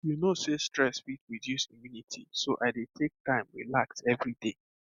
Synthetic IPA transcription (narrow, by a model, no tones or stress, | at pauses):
junosestɹɛsfit̚ɹidjusimjunitʰḭsoʔaɪdetʰek̚tãɪ̃mwḭlaksɛvɹide